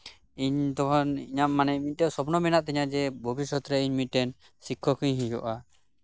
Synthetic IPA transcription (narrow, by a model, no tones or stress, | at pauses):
iɲt̪ɔkʰɔniɲaːanɛmit̪̚ʈɛsɔpnɔmɛnaʔt̪ɛɲad͡ʒɛbʱɔbisɔt̪ɾɛiɲmit̪̚ʈɛn | sikʰːɔkʰĩɲɦĩd͡ʒɔ̰ʔa